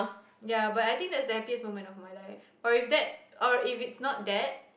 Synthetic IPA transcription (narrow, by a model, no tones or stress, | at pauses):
jabatajt̪ĩŋk̚dɛtsdəɛfiəsmomɛ̃ntɔfmajlaɪf | ɔɹifd̪ɛt̚ʔɔɹifitsnɔt̚dɛt̚